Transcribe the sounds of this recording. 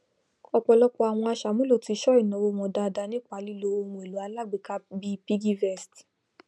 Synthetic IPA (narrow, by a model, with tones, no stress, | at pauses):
ɔ˧k͡pɔ˧lɔ˦k͡pɔ˦a˨w̃ɔ̃˧a˧ʃa˨mũ˦lo˦˨ti˧˦ʃɔ˦i˦˨nɔ̃˨˦wo˧˦w̃ɔ̃˧da˧da˧˦nĩ˦k͡pa˨˦li˦lo˧˦o˧hũ˧e˨lu˨˦a˧la˦˨ɡ͡bi˨ka˦bi˦pi˦ɡi˦vɛ˦˨sti̥˨